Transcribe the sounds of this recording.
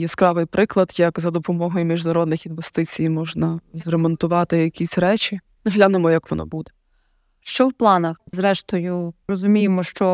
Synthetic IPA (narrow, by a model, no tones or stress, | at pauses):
jɛskɾɑʋɪjpɾɪklˠɐd̪jɐkzɐd̪ɔpɔmɔɦɔjʊmʲiʒd̪ɐɾɔd̪̚nɪxinʋest̪ɪt͡sʲijmɔʒnɐzɾemɔnt̪ʊʋɑt̪ɪjɐkʲisʲɾɛt͡ʃʲi | nɪɦlʲanɪmɔjɐkʋɔnɔ̰bud̪ɛ | ʃt͡ʃɔwplˠɑnɐxzɾɛʃt̪ɔjʊrɔzʊmʲijemɔʃt͡ʃɔ